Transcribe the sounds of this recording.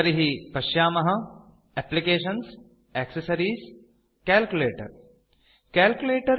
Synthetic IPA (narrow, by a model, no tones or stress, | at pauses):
ɐɾiɦipɐʃjaːmɐɦɐ̆ | ɛplikeːʃɐns | ɛːksɐsɐɾiːs | kɛːlkuleːʈɐ̰ɾ | kɛːlkʲjuleːʈɐɾ